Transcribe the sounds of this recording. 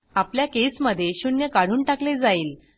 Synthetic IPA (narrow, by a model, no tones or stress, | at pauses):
apljakesməd̪ʱːjeɕunjəkaɽ̤uːnʈakled͡zaiːl